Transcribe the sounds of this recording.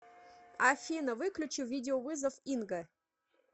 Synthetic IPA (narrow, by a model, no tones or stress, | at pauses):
afʲinəvɨklʲut͡ɕiwvʲidʲɪovɨzəfinɡə